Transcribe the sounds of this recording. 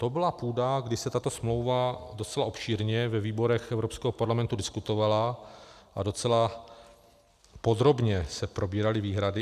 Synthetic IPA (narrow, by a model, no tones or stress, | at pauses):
t̪o̞bɪlapuːdaɡdɪsɛt̪at̪o̞smlo̞wvado̞t͡sɛlaʔo̞pʃiːɾɲɛvɛviːbo̞ɾɛxʔɛvɾo̞pskɛɦopaɾlamɛnt̪udɪskut̪o̞valaʔado̞t͡sɛla | po̞d̪ɾo̞bɲɛsɛpɾʔo̞biːɾalɪviːɦɾadɪ